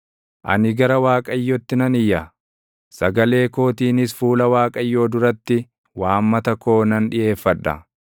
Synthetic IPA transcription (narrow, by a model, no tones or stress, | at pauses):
ʔɐ̰nɪɡɐɾɐwaːkʼɐjːɔt̪ːɪnɐnɪjːɐ | sɐɡɐle̞ːko̞ːt̪iːnɪsfuːlɐwaːkʼɐjːo̞ːd̪ʊɾɐt̪ːɪ | waːmːɐt̪ɐko̞ːnɐnᶑɪʔe̞ːfːɐᶑɐ̰